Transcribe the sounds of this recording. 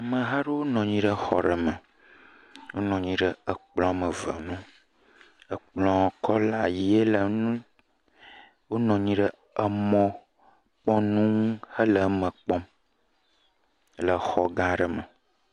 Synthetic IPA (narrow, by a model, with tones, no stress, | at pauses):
a˨mə̃˨ɦa˦ɖə˦wo˦nɔ̃˨ɲĩ˦ɖə˦xɔ̰˨ɖə˨mə˨ | wo˦nɔ̃˨ɲĩ˦ɖə˦ə˨k͡plɔ̃˦a˨mə˨və̰˨nũ˦ | ə˨k͡plɔ̃˨kʰɔ˦la˨ji˦e˦lə˨nũ˦ | wo˦nɔ̃˨ɲĩ˦ɖə˦ | ə˨mɔ̃˨ | k͡pɔ̃˦nũ˦ŋ˦hə˦lə˨˦mə̃˨k͡pɔ̃˦m | lə˨xɔ˨ɡã˦ɖə˨mə˨